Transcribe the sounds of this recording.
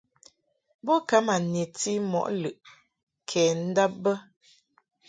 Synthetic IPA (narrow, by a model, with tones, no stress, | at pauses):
bɔ˦ka˨˦ma˨ne˨ti˦mɔ̰˨ʔlɯ˨ʔ | kʰɛː˨n̩˦da˦p̚bə˦